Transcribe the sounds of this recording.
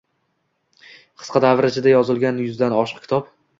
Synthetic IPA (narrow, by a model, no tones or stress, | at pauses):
qʰɨ̥sqʰɑd̪avɾat͡ʃʰɪd̪ajɒzɪlˠɡʲanjʊzd̪anɒʃɨ̥qkʰʲɪ̥t̪ʰɒp̚